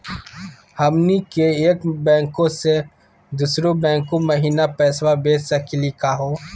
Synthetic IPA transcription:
hɐmnikeːkbɛ̃ːŋkõse | d̪usɾobɛ̃ːŋkõmɐɦiːnapɛːswabeːsɐkɪlikaɦoː

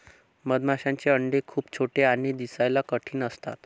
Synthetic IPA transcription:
məd̪maɕaɲt͡ɕeəɳɖekʰuːpt͡ɕʰoʈeanid̪isajlakəʈʰiːnəst̪a̰t̪

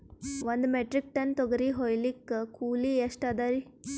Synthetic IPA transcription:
ʋɐnd̪meʈɾik̚ʈɐnt̪ɔɡɐɾiɦojlikːkuːlieʂʈad̪aɾi

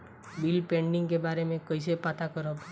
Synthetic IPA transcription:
bilpẽɳɖɪ̃ŋɡkebaɾemẽkəis̬epat̪ʰakəɾob

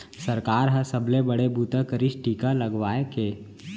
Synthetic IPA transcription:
səɾkaːɾɦɐsəblebəɽebʱuːt̪əkəɾɪʃʈiːkalɐɡʋaːekeː

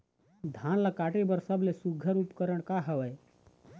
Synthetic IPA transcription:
d̪ʱãːnlakaːʈebəɾsəblesuɡʱːəɾupkəɾəɽ̃kaɦəʋəj

